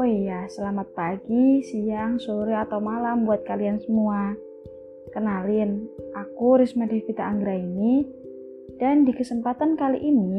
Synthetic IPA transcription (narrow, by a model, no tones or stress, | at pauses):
ojasəlamat̪̚paɡisijaŋsoɾiat̪awmalambuat̪̚kaliansəmua | kənalɪnakuɾɪsmadehkit̪aːŋɡɾaini | d̥andikəsəmpat̪ankalḭʔini